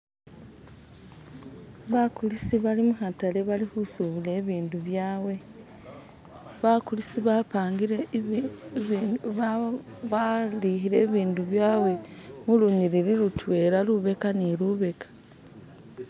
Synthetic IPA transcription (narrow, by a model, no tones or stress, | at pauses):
βakulisiβalimuɦatale̞βalihusuβule̞ːβiːnduβjaːwe̞ | βakulisiβapaːŋɡiɾe | βalihiɾe̞ːβiːnduβjaːwe̞muluɲiɾiɾiɾutwe̞ːɾaluβe̞kaniluβe̞kḁ